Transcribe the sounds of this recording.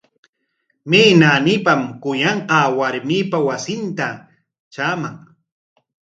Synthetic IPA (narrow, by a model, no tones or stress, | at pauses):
miːnaːnɪpamkʊjɑɴqɑːwaɾmipawasɪnt̪a | t͡ʃamaŋ